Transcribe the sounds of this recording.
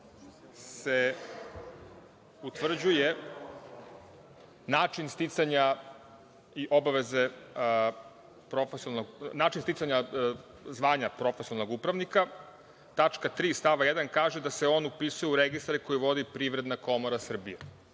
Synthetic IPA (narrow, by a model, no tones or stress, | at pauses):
se | ut̪ʋr̩d͡ʑuje̞ | naːt͡ʃinst̪it̪saɲa | iʔo̞baʋe̞ze̞ | pɾofesilnoɡnaːt͡ʃinst̪itsaɲa | zʋaːɲapɾo̞fesilno̞ɡupɾaʋnika | t̪at͡ʃkat̪ɾiːst̪aʋajed̪ankaːʒed̪ase̞oːnupisujeuɾeɡist̪aɾiko̞jiʋo̞d̪ipɾiʋɾe̞d̪nako̞moɾasr̩bije